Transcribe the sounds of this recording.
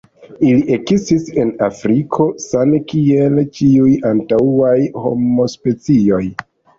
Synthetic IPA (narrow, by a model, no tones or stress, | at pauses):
iliʔe̞ɡzistise̞nafɾikʰo̞sanekie̞lt͡ʃiujantaajho̞̰mo̞spe̞t͡sio̞j